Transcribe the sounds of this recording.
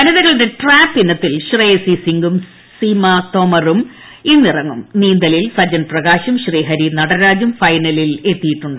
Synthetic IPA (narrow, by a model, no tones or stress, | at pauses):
ɐnɐðɐɣɐɭindeʈraːpːinːɐt̪ːilɕreːsisiŋɡum | simɐt̪omɐrum | inːirɐŋːumniːnd̪ɐlilsɐd͡ʑɐnprɐɣaːɕɐmɕriːɦɐɾinɐɽɐɾaːd͡ʑumfɐjnɐlile̞t̪ːijiʈːuɳɖɨ